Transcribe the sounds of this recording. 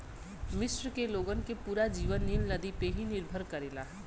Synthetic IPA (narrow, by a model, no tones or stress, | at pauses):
mɪsɾəkeloːɡənkepuːɾad͡ʒiːʋənːilləd̪ipeɦinɪɾbʱəɾkɐɾeːlaː